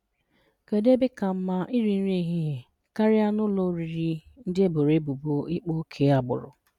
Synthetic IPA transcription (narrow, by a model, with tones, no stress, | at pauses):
ke˨de˦bɪ˦ka˨m̩˦ma˦ʔi˦ɾi˨n̩˦ɾe˦ɦi˦ɦe˨ | ka˦ɾɪ˦a˦nʊ˦lo˦ɾi˨ɾi˦n̩˦dɪ˦e˦bo˨ɾe˦bu˨bo˦i˦k͡po˦kʰe˨˦a˨bʊ̰˨ɾʊ̰˨